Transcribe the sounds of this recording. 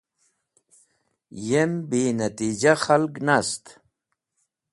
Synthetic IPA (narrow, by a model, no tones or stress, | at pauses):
jembinat̪id͡ʑaxalknast̪